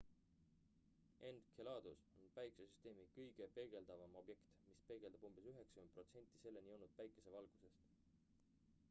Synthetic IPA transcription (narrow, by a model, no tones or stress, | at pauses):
ʔe̞nd̪̥kʰelɑːd̪̥usonpæjkˑe̥sesyst̪e̞ːmikɤjɡ̥e̞pe̞lɡ̥e̞ld̪̥ɑvɑmo̞bje̞kt̪mispe̞lɡ̥e̞ld̪ɑb̥umb̥e̞syɦe̞ksɑkyme̥pro̞t̪se̞nʲt̪ːˑi̥se̞lːenʲijownut̪̚pæjkˑe̞se̞vɑlɡ̥use̞st̪